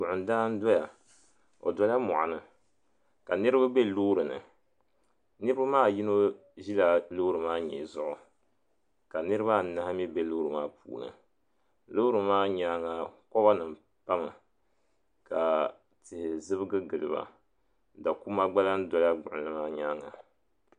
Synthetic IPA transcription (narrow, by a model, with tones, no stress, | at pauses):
ɡʊ˨ʔʊ˨n˨daː˦n̩˦dɔ˦ja˨ | o̰˨dɔ˦la˦mɔ˨ʔa˨nɨ˨ | ka˨nɨ˦ɾɨ˦ba˦be˦loː˦ɾɨ˨nɨ̰˨ | nɨ˦ɾɨ˦ba˦maː˦˨ji˦no˦ | ʒi˦la˨lo˦ɾɨ˨maː˦ɲɛ̰˨zʊ˦ʔʊ˨ | ka˨nɨ˦ɾɨ˦βa˦na˨ha˦mi˦be˦lo˦ɾɨ˨maː˦pṵː˨nɨ̰˨ | loː˦ɾɨ˨maː˦ɲa˦ŋa˨kɔ˦ba˦nɨ˨m˨ | pa˦mɨ˨ | ka˨ | tɨ˨zɨ˦bɨ˦ɡɨ˦ɡɨ˨lɨ˨ba̰˨ | da˨ku˦ma˦ɡ͡ba˦la˦n˦dɔ˨la˦ɡ͡bʊ˨ʔlɨ˦maː˦ɲaː˦ŋa˨